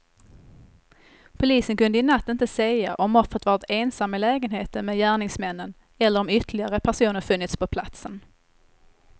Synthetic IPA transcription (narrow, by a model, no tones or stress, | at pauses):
pʰʊliːsənkɵnd̪əɪnat̪ːɪnt̪əsɛjaʔɔmɔfɾət̪vɑːɾɪt̪eːnsamːɪlɛːɡənheːt̪əɾmeːdjæːɳɪŋsmɛnːən | ɛlːəɾɔmʏt̪əlɪɡaɾəpʰæʂuːnəɾfɵnːɪt̪spʰɔpʰla̰t̪sən